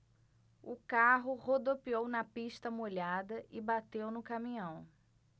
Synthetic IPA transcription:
ʊkaɦʊhod̪opiownɐpiʃt̪ɐmoʎad̪ɐʔɪbat̪ewnʊkamĩɲɐ̃w̃

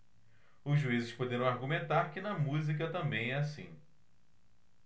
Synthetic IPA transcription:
ʊzʒuizɪʃpod̪eɾɐ̃w̃aɾɡumẽnt̪aɾkɪnɐmuzik̬ɐt̪ɐ̃mbẽj̃ɛasḭ̃

